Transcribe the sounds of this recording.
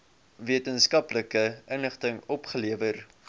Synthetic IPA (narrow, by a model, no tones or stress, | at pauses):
viətənskɐpləkəʔənəχtəŋɔpχəliəvər